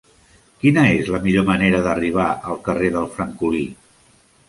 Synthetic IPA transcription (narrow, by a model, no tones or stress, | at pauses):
kinəezləmiʎoməneɾəðəriβ̞aʔəlˠkəreðəlˠfɾəŋkuli